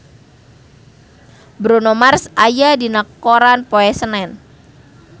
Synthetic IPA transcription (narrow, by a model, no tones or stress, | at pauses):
bɾunomarsajadinəkoɾanpoɛsənɛn